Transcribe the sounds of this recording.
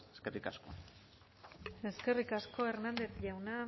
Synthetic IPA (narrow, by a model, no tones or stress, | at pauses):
eskerikasko̰ | e̞ske̞rikasko̞e̞ɾnand̪e̞θʝawna